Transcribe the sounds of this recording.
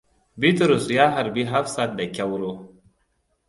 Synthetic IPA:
bi˦tɾʊ˨sjaː˦ɦa˨ɾbi˦ɦa˦fsa˨da˨kʲa˦wɾoː˦

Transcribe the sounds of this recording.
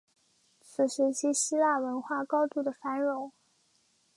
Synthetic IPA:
t͡sʰɹ̩˨˩ʂɻ̩˧˥t͡ɕʰi˧˥ɕi˥la˥˩wə˧˥nxwa˥˩kɑ˥ʊt̪u˥˩d̪ə˩fa˧˥nɻʊ˧˥˦ŋ

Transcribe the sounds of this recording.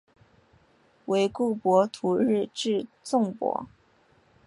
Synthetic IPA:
we˧˥ɪku˥˩pwɔ˧˥t̪ʰu˧˥ɻ̩˥˧ʈ͡ʂɻ̩˥˧t͡sʊ˥˩ŋpwɔ̰˧˥

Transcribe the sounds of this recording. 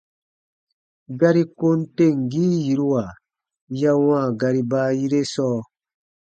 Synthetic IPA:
ɡa˦ɾi˦ko˦n˦te˦˨ŋ˨ɡiː˦ji˨ɾu˦wa˨ | ja˦wãː˦˨ɡa˧ɾi˦baː˦ji˦ɾe˦sɔː˦˨

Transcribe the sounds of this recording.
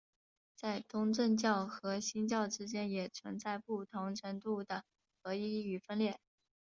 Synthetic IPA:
t͡sa˥˩ɪt̪ʊ˥ŋʈ͡ʂə˥˧nt͡ɕjɑ˥˩ʊxɤ˧˥ɕi˥nt͡ɕjɑ˥˩ʊʈ͡ʂɻ̩˥t͡ɕjɛ˥njɛ˨˩t͡sʰwə̰˧˥nt͡sa˥˧ɪpu˥˩t̪ʰʊ˧˥ŋʈ͡ʂʰə˧˥nt̪u˥˩d̪ə˩ | xɤ˧˥i˥y˨˩fə˥nljɛ˥˩

